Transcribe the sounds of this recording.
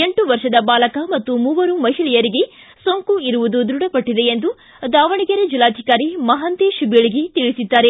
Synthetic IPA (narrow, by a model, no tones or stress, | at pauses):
e̞ɳʈuʋɐɾʃɐd̪ɐbaːlɐkɐmɐt̪ːumuːʋɐɾumɐɦiɭɛjɐɾiɡe̞ | soːŋkuiɾuʋud̪ud̪ɾuɽɐpɐʈːid̪e̞ːnd̪u | d̪aːʋɐɳiɡɐɾed͡ʒilːaːd̪ʱikaːɾimɐɦɐnt̪eʃubeɭiɡet̪iɭisid̪ːaːɾe